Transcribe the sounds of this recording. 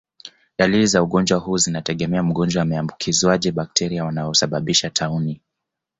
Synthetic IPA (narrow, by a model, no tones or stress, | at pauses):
ɗalilizauɠɔnd͡ʒwaɦuːzinatɛɠɛmɛam̩ɠɔnd͡ʒwaːmɛambukʰizwaʄɛɓak̚tʰɛɾiawanaɔsaɓaɓiʃatʰauni